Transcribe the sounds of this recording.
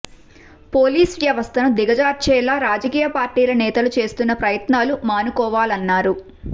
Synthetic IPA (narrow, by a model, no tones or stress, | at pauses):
poːliːsʋjɐʋɐst̪ʰɐnud̪iɡɐd͡ʒaːɾ̚t͡ʃɛːlaːɾaːd͡ʒɐkiːjɐpaːɾʈiːlɐnɛːt̪ɐlut͡ʃe̞ːst̪unːɐpɾɐjɐt̪naːlumaːnukɔːʋaːlɐnːaːɾu